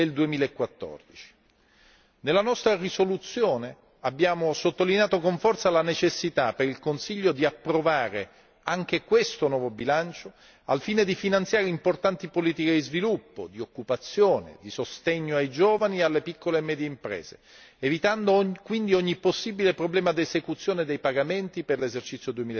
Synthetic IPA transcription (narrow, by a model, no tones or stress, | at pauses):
eld̪uemiːlaekːwat̪ːɔ̰rd̪it͡ʃi̥ | nelːanɔst̪ɾarisolut̪sːjoːne | abːjaːmosot̪ːolineaːt̪okoɱfɔrt̪salanet͡ʃesːit̪apeɾilkonsiʎːod̪iapːɾovaːɾe | aŋk̟ekwest̪onwɔːvobilant͡ʃo | alfiːned̪ifinant̪sjaːɾeimport̪ant̪ipoliːt̪iked̪izvilupːo̰d̪iokːupat̪sːjoːnḛd̪isost̪eɲːoajd͡ʒoːvanialːepikːolemɛːd̪jeimpɾɛ̰ːz̥ḛ | evit̪and̪okwind̪ioɲːiposːibilepɾoblɛːmad̪iezekut̪sːjoːned̪ejpaɡament̪iperlezert͡ʃit̪sːjod̪uemiːl